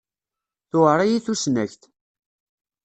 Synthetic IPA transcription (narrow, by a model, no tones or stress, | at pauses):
θʊəɾˤajiθusnæçt̪